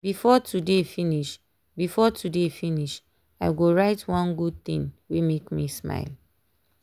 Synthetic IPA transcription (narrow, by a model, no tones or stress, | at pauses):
b̥ifɔtʰudefĩniʃ | bifɔtʰudefĩniʃ | aɪɡoɹaɪtwãnɡud̚t̪ḭ̃ŋwimekmisma̰ɪl